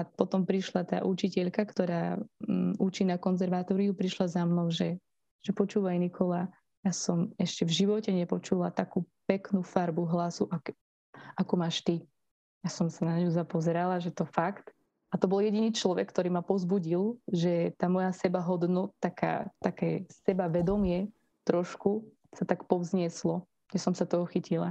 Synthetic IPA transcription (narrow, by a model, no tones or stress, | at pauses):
apɔt̪ɔmpɾiʃlat̪a̰ːʔut͡ʃicɛʎkakt̪ɔɾaː | ut͡ʃiːnakɔnzɛɾʋaːt̪ɔɾiupɾiʃlazamnɔmʒɛ | ʒ̥ɛpɔt͡ʃuːʋajnikʰɔlaː | jaːsɔmɛʃcɛvʒiʋɔcɛɲɛpɔt͡ʃulat̪akuːpɛknufaɾbuɦlasuʔak | akumaːʃt̪i | jasɔmsanaɲuzapɔzɛɾalaʒɛt̪ɔfakt̪ | at̪ɔbɔljɛɟiniːt͡ʃlɔʋɛkːt̪ɔɾiːmapɔzbuɟilʒɛt̪aːmɔjasɛbaɦɔd̪nɔt̪ːaka̰ːt̪akɛːsɛbaʋɛd̪ɔmɪɛ | t̪ɾɔʃku | sat̪akpɔzɲɪɛslɔ | ɲɛsɔmsat̪ɔɦɔxicila̰